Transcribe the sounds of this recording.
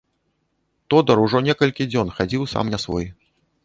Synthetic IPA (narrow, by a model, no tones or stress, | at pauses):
t̪ɔd̪ɐɾuʐɔnʲɛkɐlʲkʲid͡zʲɔnxad͡zʲiwsa̰mnʲɐsvɔ̰j